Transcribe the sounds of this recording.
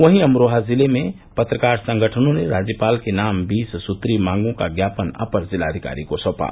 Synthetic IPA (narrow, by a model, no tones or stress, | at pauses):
ʋəɦiəmɾoɦazileme | pət̪ɾəkaɾsə̃ŋɡʱəʈʰənõneɾad͡ʒjəpalkenambissut̪ɾimãŋɡũkaɡjapənə̰pəɾzilaəd̪ʱika̰ɾikosəpa̰